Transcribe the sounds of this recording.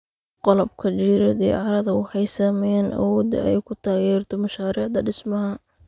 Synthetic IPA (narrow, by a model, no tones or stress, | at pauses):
qɔlɔb̚kʰɐt͡ʃiːɾɐd̪ɛ̰ʕɑɾɐðɐʊħɛjsɐmɛnʔɐ̰wɔːd̪ɐ̰ɛjkʰʊt̪ʰaːɣɛːrt̪ʰɔmɐʃaːɾiːʕd̪ɐɖɪsmɐɦɐ